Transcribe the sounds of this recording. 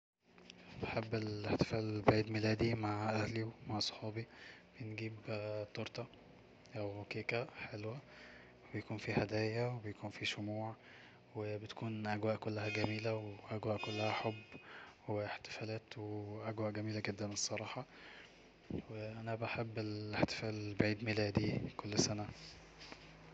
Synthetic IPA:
beħebːeleħt̪e̥fæːlbaʕiːd̪milæːd̪imaʕʔæhliwmaʕsˤo̥ħɑːbib̥enɡiːbt̪ˤoɾˤt̪ɑ | ʔæwkeːkæħelwæ | webejkuːnfihæd̪æːjæwebejkuːnfiʃomuːʕ | webet̪kuːnʔæɡwæːʔkolːæhæɡæmiːlæweʔæɡwæːʔkolːæhæħobːweħt̪e̥fæːlæːt̪weʔæɡwæːʔɡæmiːlæɡed̪ːænesˤːɑɾˤɑːħɑ | weʔænæbaħebːeleħt̪e̥fæːlbaʕiːd̪melæːd̪ikolːsænæ

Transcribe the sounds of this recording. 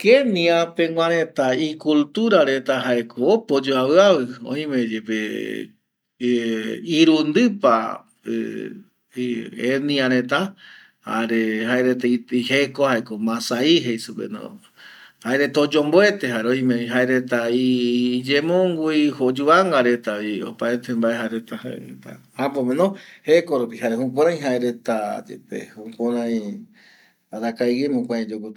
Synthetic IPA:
keniapeŋʷãɾ̃ẽt̪aikult̪uɾaɾe̞t̪aɦaekʰoːpod͡ʒoawɨaβɨõ̰ĩmẽd͡ʒepe | iɾund̪ɨpa | ḛ | enĩãɾ̃ẽ̞t̪a | ha̰ɾeɦaeɾet̪aiihekohaekomãsaiɦejsupḛno̰ | haeɾet̪aod͡ʒomboe̞t̪eɦaɾeoj̃mẽiɦaeɾe̞t̪aid͡ʒemõŋɡuihod͡ʒuaŋɡaɾe̞t̪aβio̰paet̪embaeɦaeɾet̪ahaḛet̪a̰ | hapomenohekoɾupihaɾehup̬õɾãj̃ɦaeɾe̞t̪ad͡ʒḛpḛhupoɾãj̃ | aɾakajɡemõkʷãd͡ʒoko

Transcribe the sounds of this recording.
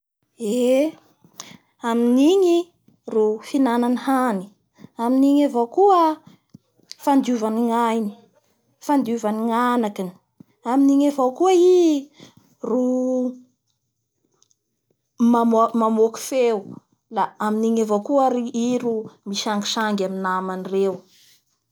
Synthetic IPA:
e | aminiɲi | rufinananhani̥ | aminiɲavokuə | fand̪uvaniŋajni̥ | fand̪iuvaniŋanakini̥ | aminiɲavokuəi | ru | mamomamoki̥few | laaminiɲavokuəɾiiɾumisaŋɡi̥saŋɡaminamanirew

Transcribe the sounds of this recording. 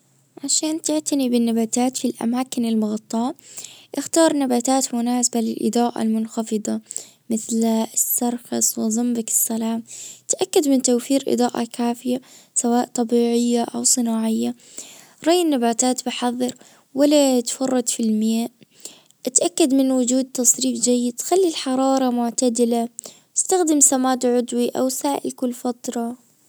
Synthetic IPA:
ʕaʃaːnt̪ɪʕt̪anibɪnːabaːt̪aːt̪filʔa̰maːkɪnɪlmʊɣɑt̪ˤːɑːʔɪxt̪ɑːɾˤnabaːt̪aːt̪mʊnaːsabalɪlʔɪ̰d̪ˤɑːʔa̰lmʊnxɑfɨd̪ˤɑ | mɪθlsːɑɾˤxɑsˤwɪðˤɑmbakɪ̥sːalaːmt̪ʔakːad̪mɪnt̪awfiːɾʔɨ̰d̪ˤɑːʔa̰kaːfɪjasawaːʔt̪ˤɑbiːʕɪjːaʔawsˤɨnaːʕɪjːa | ɾˤɑjːɪnːabaːt̪aːt̪bɪħɑðˤːɨɾ | walːat̪fɑrˤːɑd̪filmɪjaːʔ | ʔɪt̪ʔakːad̪mɪnwʊd͡ʒuːd̪̚t̪ɑsˤɾiːfd͡ʒajːɪd̪t̪xalːilħɑɾˤɑːɾˤɑmʊʕt̪ad̪ɪla | ɪst̪axd̪ɪmsamaːd̪ʕʊd̪wiʔa̰wsaːʔɪ̰lkʊlːfat̪ɾˤɑ

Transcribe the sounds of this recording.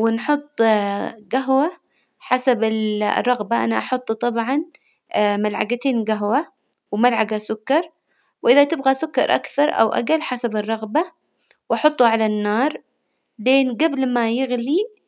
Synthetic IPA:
wɪnħʊt̪ˤːɡaɦwa | ħasabɪl̰rˤːɑɣbaʔa̰naʔɑħʊt̪ˤːt̪ˤɑbʕɑn | malʕa̰ɡat̪eːnɡaɦwa | wmalʕaɡasʊkːɑɾˤ | wʔɪðat̪ɪbɣasʊkːɑ̰ɾˤʔa̰kθɑɾˤʔa̰wʔa̰ɡalħasabɨrˤːɑɣba | wʔɑħʊt̪ˤːuʕalanːɑːɾˤ | leːnɡablmajɪɣli

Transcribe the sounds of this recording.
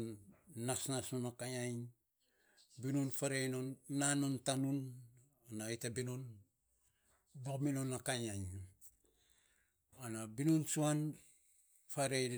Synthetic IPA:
nnasnasnunakajaj | binunfaɾejnonːanontanun | anaitabinon | bokminonakajaj | anabinunsuan | faɾe

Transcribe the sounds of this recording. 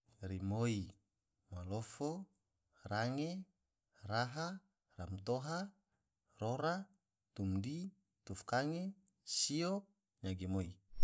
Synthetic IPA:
rimoi | malofo | raŋe | raɦa | ramt̪oɦa | roɾa | t̪umdi | t̪ufkaŋe | siɔk̚ | ɲaɡemoi

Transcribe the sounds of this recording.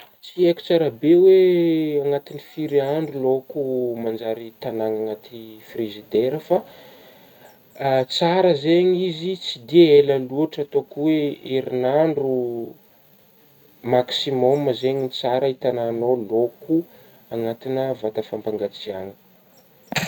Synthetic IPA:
t͡sieku̥t͡saɾəbeweaŋat̪inifiɾiaɳɖ͡ʐulokumand͡ʒaɾit̪anaŋaŋat̪ifrizid̪eɾəfa | t͡saɾəzeɲizit͡sid̪ieləluəʈ͡ʂat̪okuweeɾinaɳɖ͡ʐu | maksimɔməzeɲint͡saɾəit̪ananoloku | aŋat̪inəvat̪əfampaŋɡat͡siaŋi̥

